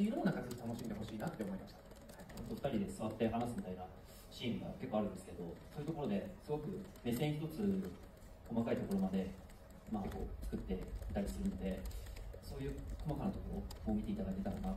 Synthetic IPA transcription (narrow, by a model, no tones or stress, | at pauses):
iɾõnːakazɨit̪ano̞ɕimʲid̪eɦoɕiːnat̪ːe̞omo̞imaɕi̥t̪ḁ | haiot̪ːo̞ɸɯ̟̥aɾʲid̪e̞sɨβat̪ːe̞ɦanasɨmʲit̪aina | ɕiːmɯ̟ɡa̰ke̞kːo̞aɾɯ̟nd̪esɨ̥ke̞d̪o̞soːjɯ̟t̪oko̞ɾo̞d̪e̞sɨɡo̞kɯ̟me̞sẽçi̥t̪o̞t͡sɨ | ko̞makait̪o̞ko̞ɾo̞mad̪e̞ | mako̞̰ːt͡sɨ̥kɯ̟t̪ːe̞i̥t̪aɾʲisɨɾɯ̟no̞d̪e̞so̞ːjɯ̟ːkʰo̞makanat̪okoɾokomʲit̪e̞it̪ad̪ait̪e̞t̪ano̞ɡa